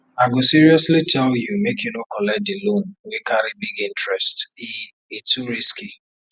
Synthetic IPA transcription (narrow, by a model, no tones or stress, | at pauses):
aɡosiɾiɔslitʰɛljumekʰjunokʰɔlɛk̚dɪlõnwekʰaɾibiɡĩntɹɛsti | etuɾiski